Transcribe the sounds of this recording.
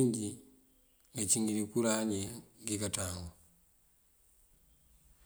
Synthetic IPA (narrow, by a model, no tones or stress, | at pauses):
ɲɟi | ŋɡaciŋɡiɾikuɾaɲeŋɡikataːŋɡo